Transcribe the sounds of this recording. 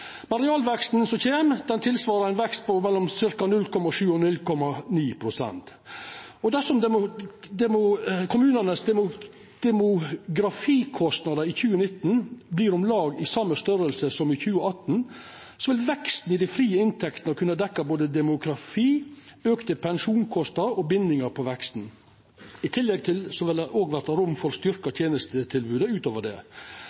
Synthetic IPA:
mɑɾɪɑːlʋɛkst̪n̩sɔçeːmd̪ɛnt̪ʰɪlsʋɑːɾəɑæɪnʋɛkst̪̚pɔmɛlːɔmsɪɾkɑnʉlkʰɔmɑʂʉːɔnʉlkʰɔmːɑniːpʰɾʊsɛ̰nt̪ | ɔd̪æʂɔmd̪ɛmʊd̪ɛmʊkʰʊmʉːnənəsd̪ɛmʊ | d̪̥ɛmʊɡɾɑfiːkʰɔst̪nɑd̪əɾɪçʉːənɪt̪ːnbliːɾʊmlɑːɡɪsɑmːəst̪œɾəlsəsɔmɪçʉːəɑt̪n | sɔʋɪlʋɛkst̪n̩ɪd̪ɪfɾiːəɪnt̪ʰɛkt̪ənəkʰʉnːəd̪ɛkːɑboːd̪əd̪ɛmʊɡɾɑfiːøːkt̪əpʰɛnʂuːnkʰɔst̪ɑɾɔbɪnːɪŋəɾpʰɔʋɛkst̪n̩ | ɪt̪ʰɪlːɛɡ̚t̪ʰɪlsɔʋɪld̪ɛʔoːɡʋæɾt̪ɑɾʊmfɔɾst̪ʏɾkɑt̪ʰjeːnəst̪ət̪ʰɪlbʉːd̪əʉːt̪oːʋəɖɛ̰

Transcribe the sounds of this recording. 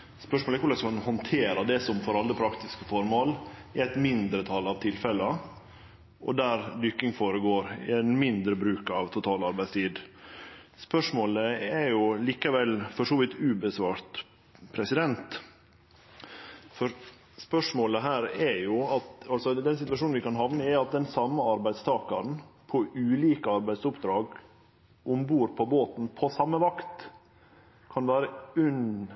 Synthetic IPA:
spœʂmoːlɛkʊlæsɑnhɔnt̪ʰeːɾɑd̪ɛsɔmfɔɾɑlːəpʰɾɑkt̪ɪskəfɔɾmoːlɪɛt̪mɪnd̪ɾət̪ʰɑlːɑʋt̪ʰɪlfɛləə | ʔɔ̰d̪æːɾd̪ʏkːɪŋfoːɾəɡoːɾɪɛnmɪnd̪ɾəbɾʉːkɑʋt̪ʰʊt̪ʰɑːlɑɾbæɪst̪ʰiːd̪ | spœʂmoːləɛɾjʊliːkɑʋɛlfɔʂoːʋɪt̪ʉːbəsʋɑːɾt̪ | pʰɾɛsɪd̪ɛnt̪ | fɔɾ | spœʂmoːləɦæːɾɛjʊɑt̪ɑlsɔd̪ɛnsɪt̪ʋɑʂ̬uːnn̩ʋɪkɑnɦɑʋnəɛɾʊɑt̪̚d̪ɛnsɑmːəɑɾbæɪst̪ʰɑːkɑɾn̩pʰɔʔʉːliːkəɑɾbæɪd̪sʊpd̪ɾɑːɡ | ʔʊmbuːɾpʰɔboːt̪n̩pʰɔsɑmːəʋɑkt̪ | kʰɑnʋæːɾəʉn

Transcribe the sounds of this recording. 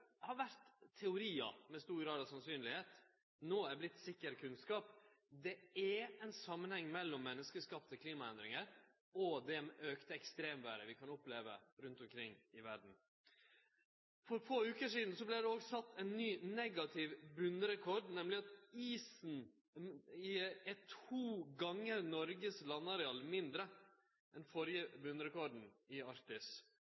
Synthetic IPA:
hɑɾʋæɾt̪ʰːɛʊɾiːɑ̰mɛst̪uːɾɡɾɑːd̪ɑʋsɑnsyːnlɪheːt̪ | noːæɾblɪt̪ːsɪkːəɾkʰʉnskɑːp | d̪ɛæɛɪnsɑmːənhɛŋːmɛlːɔmːɛnːəskəskɑːp̚t̪ʰɪkʰliːmɑɛnd̪ɾɪŋəɾ | ɔd̪ɛmɛʔøːkt̪əɛkst̪ɾeːmʋæːɾəʋɪkʰɑnɔpleːʋə̰ɾʉnt̪ɔmkʰɾɪŋːɪʋæɖɳ̩ | fɔɾfoːʉːkəʂiːd̪n̩sɔblæɪɖɛoːɡsɑt̪ːɛnːyːnɛɡɑt̪ʰɪʋbʉnːəɾɛkʰɔɖnɛmlɪɑt̪iːsn̩ | ɪɛt̪huːɡɑŋːəɾnɔɾɡəslɑnːɑɾɛɑːlmɪnd̪ɾə | ʔɛnfɔɾjəbʉnəɾɛkɔɖn̩ɪɑɾkt̪ɪs

